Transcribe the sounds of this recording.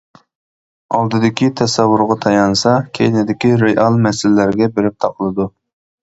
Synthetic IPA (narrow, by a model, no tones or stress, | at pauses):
ɑlˠd̪ɨd̪ɪkʲit̪ʰɛsɛwːʊɾʁɑt̪ʰɑjɑnsɑkʲʰejnɪd̪ɪkʲiɾeʔɑlˠmɛsɪlɪlæɾɡʲɛbeɾɪp̚t̪ʰɑqʰəlˠɨd̪u